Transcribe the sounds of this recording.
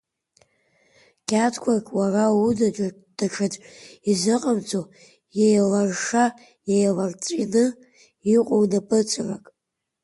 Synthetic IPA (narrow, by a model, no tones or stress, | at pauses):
kʲʰʼatʰkʷʰakʲʼwaraudad͡ʒʷʼa | d̥aʈ͡ʂʰad͡zʼizɨqʼamt͡sʰʼo | jejlarʂa | jejlart͡sʼḭnɨ | iqʷʼownapʼɨt͡sʰʷʼra̰kʼ